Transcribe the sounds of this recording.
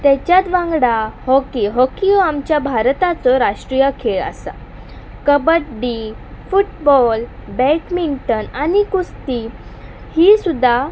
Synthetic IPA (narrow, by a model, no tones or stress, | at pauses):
t̪ɛt͡ɕjat̪ʋãŋɡɽahɔkiɦɔkioamt͡ɕjabʱaɾt̪at͡sɔɾaʂʈɾijakʰeɭə̰sa̰ | kəbəʈ̚ɖi | fuʈbɔlbɛʈmiɳʈənanikust̪i | hisud̪ʱːa